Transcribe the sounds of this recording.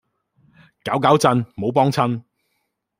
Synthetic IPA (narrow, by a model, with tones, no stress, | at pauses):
kaː˨˥wkaː˨˥wt͡sɐ˧nmo˨˥wpɔː˥ŋt͡sʰɐ˥n